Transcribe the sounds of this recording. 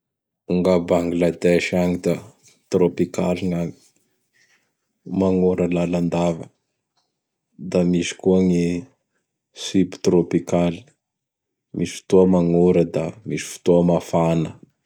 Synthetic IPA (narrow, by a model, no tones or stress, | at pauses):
uŋɡabaŋɡlad̪eʃaŋid̪a | t̪ɾopika̰lina | maŋoɾəlaland̪avə̰ | d̪amisi̥kuaŋi | sipi̥t̪ɾopikali̥ | mʔisi̥fi̥t̪oəmaŋoɾəd̪amisi̥fu̥t̪oəmafanə